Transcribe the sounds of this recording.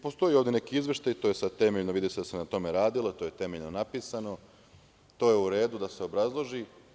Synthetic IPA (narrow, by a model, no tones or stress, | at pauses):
po̞st̪o̞jioʋd̪ʲene̞kiizʋʲje̞ʃt̪ajt̪ojesad̪̚t̪e̞meʎnoʋid̪ised̪asenat̪o̞meɾaːd̪ilot̪o̞ːje̞t̪e̞me̞ʎnonapiːsano̞ | t̪o̞ːje̞uɾe̞ːd̪ud̪ase̞o̞bɾazlˠo̞ʒi